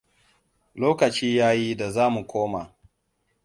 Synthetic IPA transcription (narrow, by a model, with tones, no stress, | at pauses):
loː˦kɐ˨t͡ʃiː˦jaː˦ji˦da˨zaː˦mu˨kʷoː˦ma˨